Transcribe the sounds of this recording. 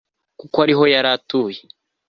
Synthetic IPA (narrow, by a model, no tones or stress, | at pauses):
kukoaɾiɦo̞jaɾatuːje